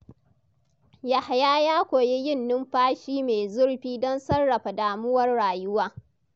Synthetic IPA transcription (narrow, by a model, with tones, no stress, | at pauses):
ja˨ha˨jaː˦jaː˦kʷoː˨je˦jɪ˦˨nːʊ˦mɸaː˦ʃiː˦meː˨zʊ˦ɽɸiː˦dɔ˦nsɐ˦rːɐ˨ɸa˨daː˨mʊ˦wɐ˦rɽaː˨jʊ˦waː˦